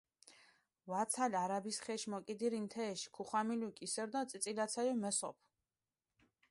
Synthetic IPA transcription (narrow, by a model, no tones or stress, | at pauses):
vat̪sʰalaɾabisχɛʃmɔkʼid̪iɾint̪ʰɛːʃi̥kʰuχamilukʼisɛɾd̪ɔt̪sʼt̪sʼilat̪sʰɛlimɛsɔ̰pʰ